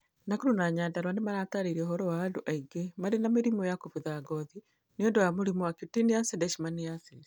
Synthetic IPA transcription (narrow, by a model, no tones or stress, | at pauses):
nakuɾunaɲaːndaɾwanemaɾaːtaɾaiɾɛoɦɔɾɔwaːdouʔaiɡemaɾenameɾimɔjakoβuðaɡɔði | niɔndɔjamoɾimɔwakitiniasedɛʃimanijase